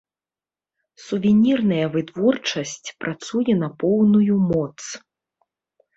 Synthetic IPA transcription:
suvʲɛnʲirnɐjɐvɨt̪vɔrt͡ʂɐsʲt͡sʲpɾʔat̪sujɛnɐpɔwnujumɔt̪s

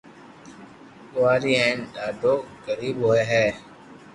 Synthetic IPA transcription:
kʊʋaːɾiːɦɛ̃ːnɗaːɖʱoːɡəɾiːbɦoːeːɦɛː

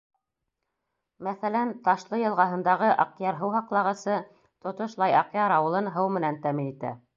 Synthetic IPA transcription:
mæθælænt̪ɑʃlˠɤjɤ̆lˠʁɑɦɤ̆nd̪ɑʁɤʔɑqjɑɾɦɤwɦɑqlˠɑʁɤ̆sɤ | t̪ŏt̪ŏʃlˠɑjɑqjɑɾɑwɤ̆lˠɤnɦɤwmɘ̆nænt̪æminit̪æ̰

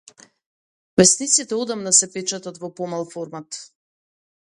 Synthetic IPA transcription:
vɛsnit̪sit̪ɛɔd̪amnasɛpɛt͡ʃat̪at̪vɔpɔmalˠfɔɾmat̪

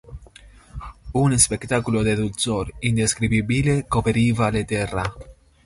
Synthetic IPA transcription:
unspekt̪akulod̪ed̪ulsoɾind̪eskɾibibilekopeɾivalet̪era

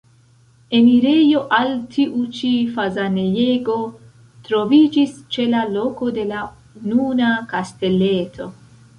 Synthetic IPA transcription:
e̞miɾe̞joʔaltʰiʔut͡ʃifazaneje̞ɡo̞ | tɾo̞vid͡ʒist͡ʃe̞lalo̞ko̞de̞la | ununakaste̞le̞tʰo̞

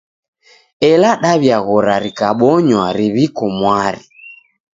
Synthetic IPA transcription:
ɛlaɗaβjaɣɔɾaɾikaɓɔɲwaɾiβikɔmwaɾi

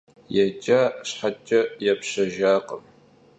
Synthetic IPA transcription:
jɛt͡ʃʼɐɕħat͡ʃʼɐjɛpɕɐʒaːqə̰m

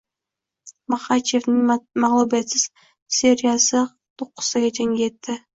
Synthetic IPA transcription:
mɑχɑt͡ʃevnɪŋmɑʁlˠubijet̪sɪz̥ | sʲeɾʲijasə | t̪ʰoqːə̥səɡʲɑt̪ʰeŋɡʲet̪ːɪ

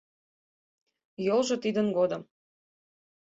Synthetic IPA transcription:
jolʒɤ̆t̪id̪ənɡod̪ə̆m

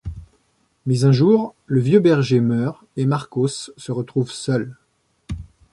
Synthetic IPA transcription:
mɛzɛ̃ʒuʁləvjøbɛʁʒemœːʁ | emaʁkosːəʁət̪χuvsœl

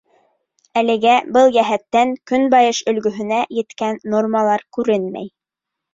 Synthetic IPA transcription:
ælɘ̆ɡæbɤlˠjæɦæt̪ːæŋkɵnbɑjɤʃɵ̆lɡɵ̆ɦɵ̆næjɘ̆t̪kænːormɑlˠɑɾkʉɾɘnmæ̰j

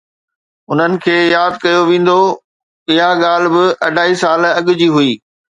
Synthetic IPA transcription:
ʊn̤ənɪ̆kʰeːjaːd̪̚kɐjoʋẽːn̆d̪o | ɪɦaɠaːl̆bɪʔɐɖʱaːisaːlɐɠʊd͡ʑiːɦuiː

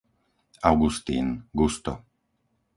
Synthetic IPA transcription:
awɡust̪ḭːnɡust̪ɔ̰

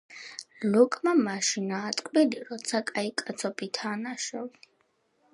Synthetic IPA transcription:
lukʼmamaʃinaːt̪ʼkʼbid̪iɾɔt̪sʰakʼaikʼat̪sʰɔpʰʼit̪ʰanaʃɔvi

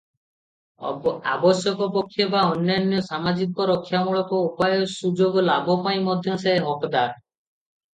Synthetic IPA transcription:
a̰bɔsjɔkɔpɔkʰːjɔbaɔnjanjɔsamad͡ʒikɔɾɔkʰːjamuɭɔkɔupajɔsud͡ʒoɡɔlabʱɔpaĩmɔd̪ʱjɔseɦeɦɔkd̪aɾ

